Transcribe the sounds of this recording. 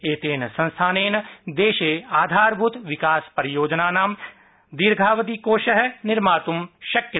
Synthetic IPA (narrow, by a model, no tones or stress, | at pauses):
eːt̪eːnsɐ̃nst̪ʰaːneːnd̪eːʃeːaːd̪ʱaːɾbʱut̪ʋɪkaːspəɾɪjoːd͡ʒnaːnaːm | d̪iɾɡʱaːʋət̪ikoːʃəɦnɪɾmaːt̪umʃɐkjɐ